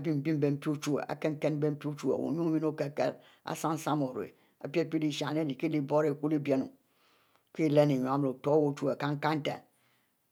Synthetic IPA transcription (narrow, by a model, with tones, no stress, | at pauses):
a˨bi˦m̩˨bi˦m̩˦be˨m̩˦pi˦u˦t͡ʃu˦a̰˨a̰˨ke˦ŋ˦ke˦nm̩˦be˦m̩˦pi˦t͡ʃu˦a̰˨wo̰˨ɲu˦mi˦no˦ke˨kḛ˦ɾ | a̰˨sa˦n̩˦sa˦mo˨ɾḛ˨ | a̰˨pi˦e˦pi˦li˦ʃa˨ne˦di˨ke˦li˦bo˦ɾe˨ku˦li˦be˦no̰˨ | ke˦˨le˦ne˨ɲo˨a˨˦m˨o˨to˨˦wo˦˨t͡ʃu˦a˨ka˦ŋ̩˦ka˦n̩˦ta̰˨